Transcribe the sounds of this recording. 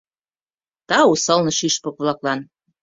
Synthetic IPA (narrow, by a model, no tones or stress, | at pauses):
t̪ɑusɤlnɤ̆ʃiʃpɤ̆k̚βlɑklɑn